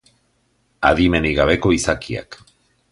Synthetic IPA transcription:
a̰ðime̞niɣaβ̞e̞ko̞isakia̰k

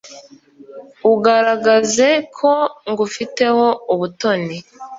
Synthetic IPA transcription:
uɡaɾaɡaze̞kʰo̞ŋɡufite̞ho̞uβuto̞ni

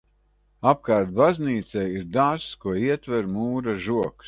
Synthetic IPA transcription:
ap̚kaːɾt̪̚bazniːt̪sɛjiɾd̪aːkuɔiɛt̪vɛɾmuːɾaʒuɔks

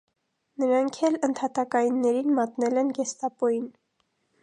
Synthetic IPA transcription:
nəɾɑŋkʰɛlənt̪ʰɑt̪ɑkɑjinːɛɾinmɑt̪nɛlɛnɡɛst̪ɑpɔjin

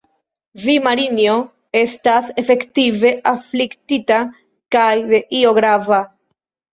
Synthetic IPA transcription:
vimaɾinjo | est̪asefe̞kt̪ive̞ʔaflikt̪it̪a | kajðe̞ʔioɣɾava

